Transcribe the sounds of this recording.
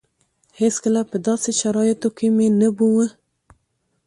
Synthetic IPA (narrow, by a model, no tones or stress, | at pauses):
het͡skəlapəd̪ɑseʃaɾɑjɪt̪okemenəbuwə